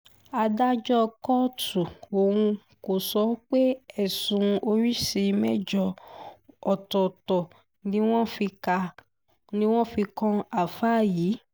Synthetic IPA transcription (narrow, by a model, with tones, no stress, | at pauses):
a˧da˦d͡ʒɔ˦˧kɔ˦tu˨o˨wũ˧ | ko˨sɔ˨˦k͡pe˦ɛ˦˨sũ˨˧o˧ɾi˦si˧mɛ˦d͡ʒɔ˧ | ɔ˨tɔ˨tɔ˨ | nĩ˦w̃ɔ̃˦fi˧ka˧ | nĩ˦w̃ɔ̃˦fi˧kɔ̃˦a˨fa˦˨jiː˨˦